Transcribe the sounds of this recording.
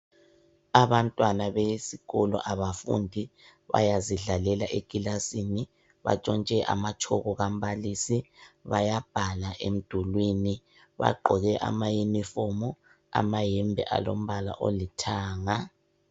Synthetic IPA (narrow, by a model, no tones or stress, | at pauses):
aβantʼwanaβesiɣɔlɔ̰ʔaβafṵndʱi | βa̰jaziɮalɛlaʔeɡ̥ʱilasini | βa̰t͡ʃʼɔnt͡ʃʼɛʔa̰mat͡ʃʰɔɣɔɣam̩balisiβajab̥ʱalaʔem̩d̥ʱulwini | βa̰ǃʱɔɣɛʔa̰majinifɔmɔ | a̰majɛmbʱɛ̰ʔa̰lo̰m̩βala̰ʔo̰litʰaːŋa